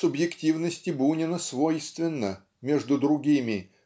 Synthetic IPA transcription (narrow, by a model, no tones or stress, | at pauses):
sʊbjɪktʲivnəsʲtʲɪbunʲɪnəsvojst̪vʲɪnːə | mʲeʐd̪ʊd̪ɾʊɡʲimʲɪ